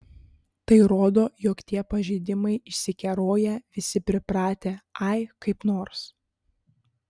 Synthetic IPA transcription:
t̪ɐɪɾoːd̪oːjoːkt̪ʲiɛpɐʒʲɛɪd̪ʲɪmɐɪɪʃʲsʲɪkʲɛɾoːjɛʋʲɪsʲɪpʲɾʲɪpɾɑːt̪ʲeːɐɪkɐɪpnoːɾs

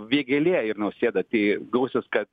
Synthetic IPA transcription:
ʋʲiɛɡʲɛlʲeːɪɾnɐʊsʲeːd̪ɐt̪ʲiːɡlˠɐʊsʲeskɐt̪

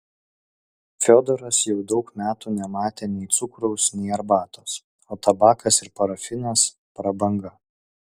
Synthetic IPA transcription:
fʲoːd̪ɔɾɐsjɛʊd̪ɒʊkmʲæːt̪uːnʲɛmɑːt̪ʲeːnʲɛɪt̪sʊkɾɔʊsnʲɛɪɐɾbɑːt̪oːs | oːt̪ɐbɑːkʰɐsɪɾpɐɾɐfʲɪnɐs | pɾɐbɐŋɡɐ

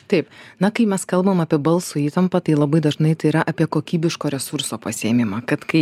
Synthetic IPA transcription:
t̪ɐɪpnɐkɐɪmʲɛskɐlˠbɐmɐpʲiɛbɐlˠsʊiːt̪ɐmpɐt̪ɐɪlˠɐbɐɪd̪ɐʒnɐɪt̪ɐɪiɾɐʔɐpʲiɛkoːkʲiːbʲɪʃkoːɾʲɛsuɾsoːpɐsʲɪeːmʲɪmɑːkɐt̪kɐɪ

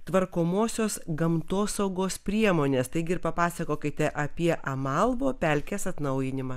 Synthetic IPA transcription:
t̪ʋɐɾkoːmoːsʲoːsɡɐmt̪oːsɐʊɡoːspʲɾʲiɛmoːnʲeːst̪ɐɪɡʲɪɾpɐpɑːsɐkoːkʲɪt̪ʲɛʔɐpʲiɛʔɐmɐlˠʋoːpʲɛˑlʲkʲeːsɐt̪nɐʊjɪnʲɪmɑː

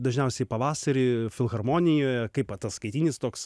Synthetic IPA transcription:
d̪ɐʒʲnʲɛʊsʲɛɪpɐʋɑːsɐɾʲɪfʲɪlˠɣɐrmoːnʲɪjoːjɛkɐɪpɐt̪ɐsskɐɪt̪ʲiːnʲɪst̪oːks

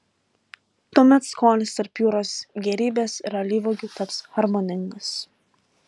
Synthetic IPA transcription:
t̪uɔmʲɛt̪skoːlʲɪst̪ɐɾpjuːɾoːsɡʲɛɾʲiːbʲeːsɪɾɐlʲiːʋoːɡʲʊt̪ɐpshɐɾmonʲɪŋɡɐs

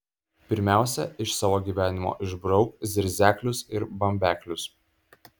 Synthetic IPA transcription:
pʲɪɾʲmʲæˑʊsʲɛ̰ɪʃsɑːʋoːɡʲiːʋʲæːnʲɪmo̰ːʔɪʒbɾɒʊkzʲɪɾʲzʲæːkʲlʲʊsɪɾbɐmʲbʲæːkʲlʲʊs

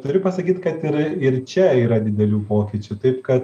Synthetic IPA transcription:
t̪ʊɾʲʊpɐsɐkʲiːt̪kɐt̪ɪɾɪɾt͡ʃʲɛiːɾɐd̪ʲɪd̪ʲɛlʲuːpoːkʲɪt͡ʃʲʊt̪ɐɪpkɐt̪

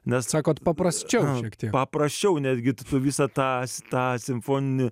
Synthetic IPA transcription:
nʲɛssɑːkoːt̪pɐpɾɐsʲt͡ʃʲɛʊʃʲiɛkt̪ʲiɛkpɐpɾɐsʲt͡ʃʲɛʊnʲæːd̪ʲɡʲɪt̪t̪ʊʋʲiːsɑt̪ɑːst̪ɑːsʲɪmfoːnʲɪnʲɪ

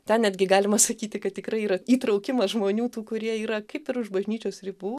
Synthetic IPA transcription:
t̪ʲɛnnʲæːd̪ʲɡʲɪɡɑːlʲɪmɐsɐkʲiːt̪ʲɪkɐt̪̚ʲtʲɪkɾɐɪiːɾɐiːt̪ɾɐʊkʲɪmɐʒmoːnʲuːt̪uːkʊɾʲiɛiːɾɐkɐɪpɪɾʊʃbɐʒʲnʲiːt͡ʃʲoːsrʲibuː

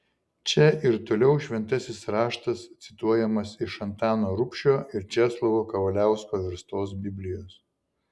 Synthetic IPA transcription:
t͡ʃʲɛʔɪɾt̪oːlʲɛʊʃʲʋʲɛnt̪ɐsʲɪsɾɑːʃt̪ɐst̪sʲɪt̪uɔjɛmɐsɪʃɐnt̪ɑːnoːɾʊpʲʃʲoːʔɪɾt͡ʃʲæːslˠoʋoːkɐʋɐlʲæˑʊskoːʋʲɪɾst̪oːsbʲɪbʲlʲɪjoːs

